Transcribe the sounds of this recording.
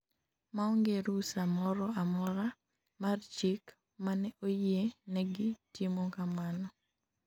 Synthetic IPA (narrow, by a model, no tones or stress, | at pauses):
maɔŋɡeɾusamɔɾɔamɔɾa | mart͡ʃik | manɛʔojenɛɡɪtimɔkamanɔ